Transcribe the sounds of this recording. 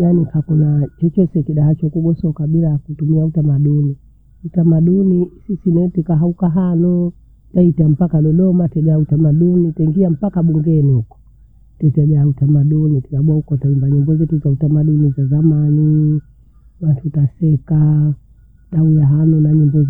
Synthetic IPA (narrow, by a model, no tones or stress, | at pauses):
anikakunat͡ʃɔt͡ʃɔsɛkiɗaɦat͡ʃɔkuɡɔsɔkaɓilajakutumiautamaɗuni | utamaɗunisisinɛtikaɦaukaɦanɔ | taitam̩pakaɗɔɗɔmatɛʄautamaɗunitaŋɡiam̩pakaɓuŋɡɛnihukɔ̥ | tɛtɛʄautamaɗunitikaɓahukɔtaimbaɲɔmbɔzɛtuzautamaɗunizazamani | wantʰutasɛka | ɗaujaɦanɔnaɲumbɔz